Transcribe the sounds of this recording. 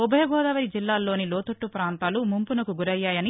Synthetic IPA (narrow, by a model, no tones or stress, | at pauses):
ubʱɐjɐɡɔːd̪ɐʋɐɾid͡ʒilːaːlːo̞ːniloːt̪oʈːupɾaːnt̪aːlumumpunɐkuɡuɾɐjːaːjɐni